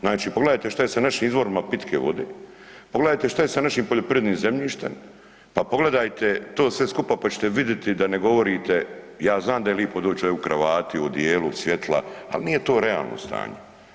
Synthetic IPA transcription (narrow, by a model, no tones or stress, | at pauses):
znaːt͡ʃiːpoɡle̞d̪aːjt̪eʃt̪ajesanaʃiːmizʋo̞ɾimapit̪kʰeʋo̞̰d̪eː | poɡleaːjt̪e̞ʃt̪ajesanaʃiːmpo̞ʎopɾiʋed̪niːmzemʎiːʃt̪ḛm | papo̞ɡle̞d̪ajt̪et̪o̞ːsʋe̞skupapat͡ɕe̥t̪eʋid̪jet̪id̪aneɡo̞ʋo̞ɾiːt̪e | jaːznaːmd̪ajeliːpod̪oːt͡ɕukɾaʋaːt̪iod̪jeːlusje̞t̪ʰlˠa̰a̰lniːje̞t̪o̞ːɾea̰ːlˠno̰st̪a̰ːɲe